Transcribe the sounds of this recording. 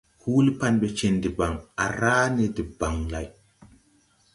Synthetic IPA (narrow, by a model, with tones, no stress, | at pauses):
huː˦li˦pa˦˨nbe˨t͡ʃe˨ndi˨ba˨ŋa̰˨ɾaː˦ne˨di˨ba˨ŋla˨j